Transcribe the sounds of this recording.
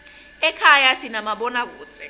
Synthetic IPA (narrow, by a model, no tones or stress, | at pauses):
ɛkʰajasinamaɓɔnak̬uːt͡sʼɛ